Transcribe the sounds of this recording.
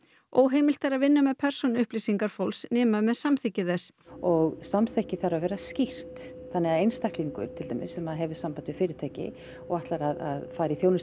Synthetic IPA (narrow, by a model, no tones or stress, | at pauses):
oːwɦeːjmɪlt̪aɾaðvɪnːamɛðpʰɛɾ̥sɔnʏhplisiŋkaɾ̥fowlsnɛːmamɛðsamθɪcɪθɛsɔɣsamθɛhcɪθaɾavɛːɾascir̥t̪θanːɪaðejnst̪ahkliŋkʏ̰ɾ̥t̪ʰɪlt̪a̰jmɪ̰sːɛmaðɦɛvɪ̥sampant̪ʏfɪːɾɪ̥t̪ʰeːhcɪ̰ | ɔɣaht̪laɾaða̰ðfaːjɾɪiθjoːwnɪns